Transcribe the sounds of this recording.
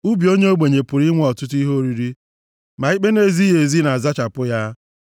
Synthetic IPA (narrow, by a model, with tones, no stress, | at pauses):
u˦bi˨o˦ɲe˦o˦ɡ͡be˨ɲe˨pʊ˨ɾi˦ŋʷ˦ɔ˨tʊ˦t̬i˦ɦo˦ɾi˦ɾi˦ | ma˨i˦k͡pe˦ne˨zi˦ɦe˨zi˦na˨a˨za˦t͡ʃa˨pʊ˦ja˦